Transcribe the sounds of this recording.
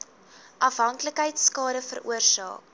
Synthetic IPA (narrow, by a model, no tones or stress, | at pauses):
ʔɐfɦɐŋkləkɦəjtskɑːɾəfə̰rṵərsɑ̰ːk